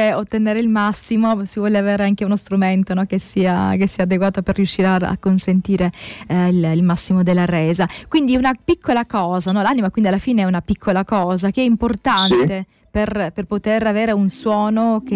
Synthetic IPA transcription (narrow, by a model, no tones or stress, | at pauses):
eot̪ːeneːɾeilmasːimosivwɔːleaveːɾeaŋkeunost̪ɾument̪onɔk̟esiːa̰kesːiːaːd̪eɡwaːt̪operːiuʃːiːɾeaa̰kːonsent̪iːɾeililmasːimod̪elːaɾɛːzakwind̪iunapikʰːolakɔːzanɔlaːnimakwind̪ialːafiːneɛunapikʰːolakɔːzakeɛimport̪ant̪e | perperpot̪eɾaveːɾeunswɔːnoke